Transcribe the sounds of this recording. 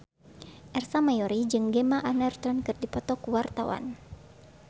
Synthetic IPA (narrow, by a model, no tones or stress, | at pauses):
ʔɛrsamajɔɾid͡ʒɨŋɡɛmaʔanɛrt̪ɔnkɨrdipɔt̪ɔkuwart̪awa̰n